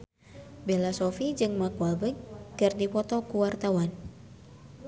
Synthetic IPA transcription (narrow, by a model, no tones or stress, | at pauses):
belasɔfid͡ʒɨŋmakualbəkɨrdipɔt̪ɔkuwart̪awan